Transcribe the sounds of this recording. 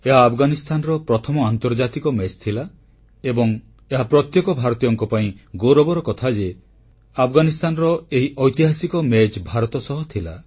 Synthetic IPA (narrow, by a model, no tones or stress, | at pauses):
eɦaːpʰɡanist̪ʰanɔɾɔpɾɔt̪ʰɔmɔant̪ɔɾd͡ʒat̪ikɔmet͡ʃt̪ʰila | ebɔŋ | eɦapɾɔt̪jekɔbʱaɾɔt̪ijɔŋkɔpaĩɡoɾɔbɔɾɔkɔt̪ʰad͡ʒe | apʰɡanist̪ʰanɔɾɔeɦiʔɔjt̪iɦasikɔmɛd͡ʒbʱaɾɔt̪ɔsɔɦɔt̪ʰila